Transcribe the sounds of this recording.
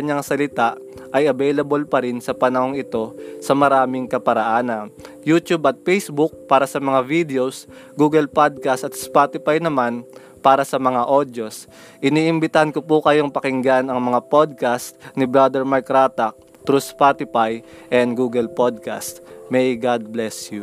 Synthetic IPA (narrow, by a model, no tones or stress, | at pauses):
ɐɲaŋsɐlɪt̪aʔ | ʔɐjɐbɛjlɐbolpɐɾɪnsɐpɐnɐho̞ŋɪt̪o̞sɐmɐɾaːmɪŋkɐpɐɾɐʔaːnɐnjut̪jubʔɐt̪̚fɛjsbuk̚paːɾɐsɐmɐŋavid̪ɛosɡuːɡɛlpod̪̚kast̪ɐt̪spat̪ɪfajnɐman | paːɾɐsɐmɐŋaʔod̪jo̞s | ʔɪniːʔɪmbɪt̪ɐhɐnkopukɐjo̞ŋpɐkɪŋɡanɐŋmɐŋapod̪̚kast̪nɪbɾad̪ɛɹmaɹkɾat̪ɐk̚ | t̪ɾuspat̪ɪpaj | ʔɛnd̪ɡuːɡɛlpod̪̚ka̰st̪mɛjɡad̪̚blɛsju